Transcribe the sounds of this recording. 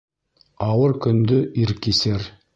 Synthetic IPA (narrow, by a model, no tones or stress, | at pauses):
ɑwəɾkʲʰʏnd̪ɪiɾkʲːeseɾ